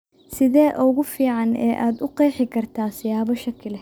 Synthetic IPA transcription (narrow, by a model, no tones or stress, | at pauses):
sɪðɛːʔɔɣʊfiːʕɑnɛ̰ːʔaːd̪ʊqɛjħɪkʰɐrt̪ʰaːsɪjaːβɔʃɐkʰɪlɛ